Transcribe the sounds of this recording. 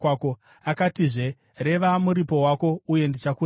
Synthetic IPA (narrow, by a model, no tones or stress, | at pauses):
ako | akatiʐe̞ | re̞ʋamuɾipo̞wako̞uje̞ndit͡ʃaku